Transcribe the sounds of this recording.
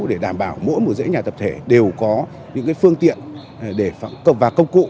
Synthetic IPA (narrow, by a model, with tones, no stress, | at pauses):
ɗe˧˩ɗaː˧˩mɓaː˧˩wmo̰˧˥jmo˨˩zə̰˧˥ɲaː˨˩t̪ə˨˩p̚t̪ʰe˧˩ɗe˨˩wkɔ˨˦ | ɲɨ̰˧˥ŋkaː˨˦jfɨ˧əŋt̪ḭ˧˨ən | ɗe˧˩fa˧˩kvaː˨˩kə˧wŋ͡mkṵ˧˨